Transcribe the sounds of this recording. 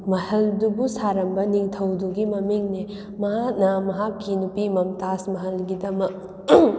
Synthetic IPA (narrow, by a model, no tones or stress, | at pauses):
mɐhɐldubusaɾɐmbɐniŋtʰɐwduɡimɐmiŋne | mɐɦak̚nɐmɐɦakːinupimɐmtasmɐɦɐlɡidɐmɐk̚